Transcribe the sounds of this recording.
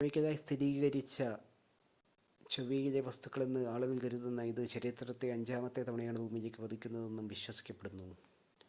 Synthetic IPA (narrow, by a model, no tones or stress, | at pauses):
ɐmikʲːɐðaːjist̪ʰiɾiːɣɐɾit͡ɕːɐ | t͡ɕoʋiːɣilɐʋɐst̪u̥kːɐɭe̞nːɨaːɭuɣɐɭkɐɾuðenːɐiðɨt͡ɕɐɾit̪rɐt̪ːeɐɲd͡ʑaːmɐt̪ːe̞t̪ɐmɐɳɐjaːɳɨbʱuːmile̞ːkːɨʋɐd̪ʱikʲːunːɐðe̞nːumʋiɕwɐsi̥kʲːɐpːe̞ɽunːu